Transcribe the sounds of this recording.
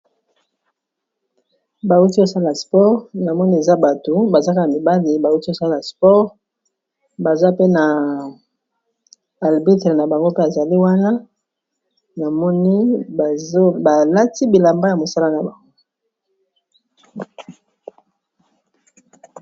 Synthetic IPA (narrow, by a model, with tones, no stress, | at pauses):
ba˨u˦ti˦o˦sa˦la˨spɔ˦ʁna˨mɔ˦ni˦e˨za˦ba˨to˨ba˨za˦ka˦na˨mi˨ba˦li˨ba˨u˦ti˦o˦sa˦la˨spɔ˦ʁ | ba˨za˦pe˦na˨ | a˨ʁbi˦tʁe˨na˨ba˨ŋɡo˦pe˦a˨za˨li˦wa˦na˦ | na˨mɔ˦ni˦˨˦ | ba˨la˦ti˦bi˨la˨mba˦ja˨mo˨sa˦la˦na˨ba˨ŋɡo˦